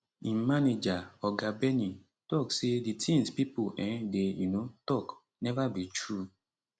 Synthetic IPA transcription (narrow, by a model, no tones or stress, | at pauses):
immaned͡ʒaɔɡabeni | tɔkseditʰĩŋspipoʔɛ̃dejunotɔk | nɛvabit͡ʃɾu